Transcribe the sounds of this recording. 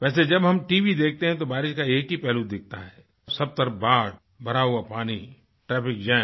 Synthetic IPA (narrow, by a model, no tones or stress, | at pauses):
ʋɛːs̬ed͡ʒɐbɦɐmʈiːʋid̪eːk̚ʰt̪eɦɛ̃t̪obaːɾɪʃkaeːkɦipɛːlud̪ɪk̚ʰt̪aɦɛː | sɐb̚t̪ɐɾbaːɽ | bɐɾaːɦuapaːni | ʈɾɛːpɪkd͡ʒɛ̃ː